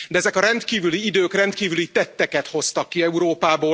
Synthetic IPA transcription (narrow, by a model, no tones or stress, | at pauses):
d̪ɛɛzɛkɒɾɛnt̪kiːvyliid̪øːkrɛnt̪kiːvylit̪ɛt̪ːɛkɛt̪ho̞st̪ɒkːiɛuɾoːpaːboː